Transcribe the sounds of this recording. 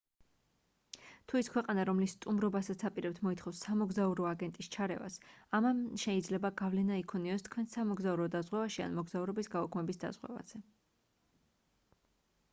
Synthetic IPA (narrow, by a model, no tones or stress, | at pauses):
t̪ʰuiskʰwɛqʼanaɾɔmlist̪ʼumɾɔbasat̪sʰapʼiɾɛp̚t̪ʰmɔit̪ʰχɔfsːamɔɡzauɾɔaɡɛnt̪ʼist͡ʃʰaɾɛ̰va̰samamʃɛid̪zlɛbaɡavlɛnaikʰɔniɔst̪ʰkʰwɛnsamɔɡzauɾɔd̪azʁwɛvaʃia̰nmɔɡzauɾɔbisɡaukʰmɛbisd̪a̰zʁwɛ̰va̰z̥ɛ